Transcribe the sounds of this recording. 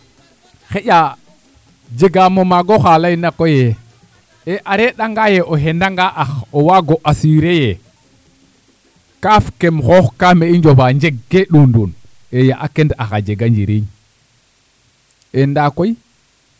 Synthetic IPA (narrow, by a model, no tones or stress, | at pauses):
xeɟa | d͡ʒeɡamomaɡoxalainakoje | eʔaɾeɗaŋɡajeʔoɦendaŋɡaʔaxowaɡoʔasiɾeje | kafkemxoxkameiɲd͡ʒopaɲd͡ʒeɡːeɗundun | ejaʔakendaxad͡ʒeɡaɲd͡ʒiɾiɲ | endakoj